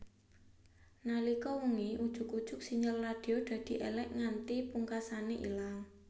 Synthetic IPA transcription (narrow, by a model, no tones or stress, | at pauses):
nalikɔwuŋiʔud̥ʒ̥ʊ̤kud̥ʒ̥ʊ̤k̚siɲəlːad̪̥i̤od̪̥ä̤d̪̥i̤ʔelɛʔŋant̪ipuŋkasaneʔḭlaŋ